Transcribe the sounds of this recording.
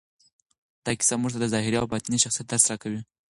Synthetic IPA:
d̪̥ɑki̥samuʐt̪ad̪əzɑɦɪɾiawbat̪iniʃaxsijat̪̚d̪əɾsaɾakawi

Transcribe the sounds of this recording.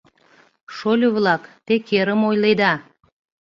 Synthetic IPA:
ʃolʲoβlɑkt̪ekeɾəmojled̪ɑ

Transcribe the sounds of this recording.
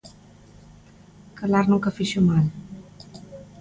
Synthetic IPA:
kəlaɾnũŋkəfiʃumal

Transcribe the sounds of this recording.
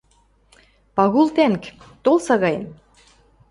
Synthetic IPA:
pɑɣulˠt̪æŋkt̪olˠsɑɣɑjə̰n

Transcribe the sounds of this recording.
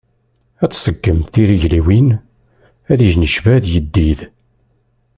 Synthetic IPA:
æt͡sːsəkːəmθiɾiʝliwin | æðiʒnəʃvæðjəd̪ːið

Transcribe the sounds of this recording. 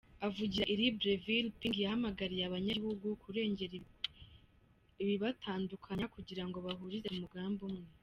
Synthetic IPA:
avuɟiɾaʔiɾibɾevilpiŋɡijahamaɡaɾijaβaɲahuɡukuɾe̞ːɲɟeɾ | iβiβatʰaːndukʰaɲakuɟiɾaŋɡo̞βaɦuɾiɾeumuɡaːmbumŋe

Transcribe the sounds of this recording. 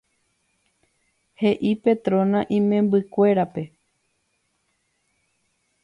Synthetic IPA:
he̞ʔipe̞t̪ɾõ̞nãʔĩmẽ̞mbɨkʷe̞ɾape̞

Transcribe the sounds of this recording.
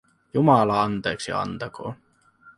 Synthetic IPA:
jumɑlɑɑnt̪e̞ːksḭɑ̰nt̪ɑko̰ː

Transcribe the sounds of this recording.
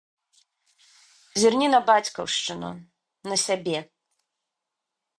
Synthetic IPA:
zʲirnʲinɐbat͡sʲkɐ̰wʂt͡ʂɨnṵ | nɐsʲabʲɛ

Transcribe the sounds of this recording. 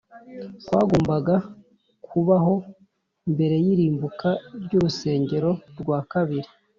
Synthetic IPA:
kwa̰ːɡo̞ːmbaɡa | kʰuβaɦo̞ | imbe̞ɾe̞jiɾiːmbukaɾɟuɾuse̞ːɲɟe̞ɾo̞ɾɡwaːkaβiɾi

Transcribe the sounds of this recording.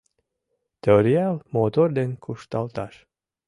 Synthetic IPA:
t̪eɔɾʲialˠmoːt̪ɔɾd̪enʲkʰuʃt̪alˠt̪aʃ

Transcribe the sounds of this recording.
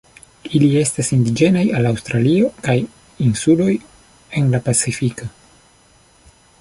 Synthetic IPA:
ilie̞stasindid͡ʒe̞najalawstɾalio̞kaj | insulo̞j | e̞nlapat͡sifiko

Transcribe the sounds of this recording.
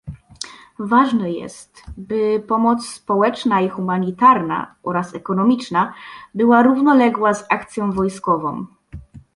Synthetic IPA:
vaʐnɛjɛ̰st̪bɘpɔmɔt̪sspɔwɛt͡ʂnaixumaɲit̪aɾna̰ʔɔɾasɛkɔnɔmʲit͡ʂnabɘwaɾuvnɔlɛɡwazakt̪sʲjɔ̃w̃vɔjskɔvɔ̰̃w̃

